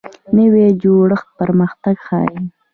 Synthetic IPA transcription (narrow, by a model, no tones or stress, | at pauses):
nəwed͡ʒoɽəxt̪̚pəɾməxt̪aɡxɑ̰ːj